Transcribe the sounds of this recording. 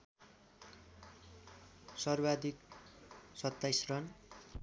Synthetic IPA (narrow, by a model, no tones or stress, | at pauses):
sʌrbad̪ik̚ | sʌt̪ːajsrʌn